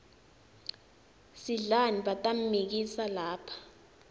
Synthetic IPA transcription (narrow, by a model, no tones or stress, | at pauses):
siɮaniɓatʼam̩mik̬isalaːpʰḁ